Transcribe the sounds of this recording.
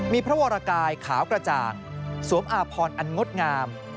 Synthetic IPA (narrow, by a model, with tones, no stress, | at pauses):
miː˧pʰɾa˦˥waː˧ɾa˧kaː˧jkʰa̰ː˩˦wkɾa˧t͡ɕa̰ː˨˩ŋ | su˩˦əmʔaː˧pʰɔː˧nʔa˧nŋo˦˥t̪̚ŋaː˧m